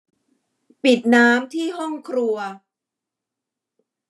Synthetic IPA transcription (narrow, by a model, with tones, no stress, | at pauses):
pi˨˩t̪̚naː˦˥mt̪ʰiː˥˩ɦɔ˥˩ŋkʰɾu˧ɐ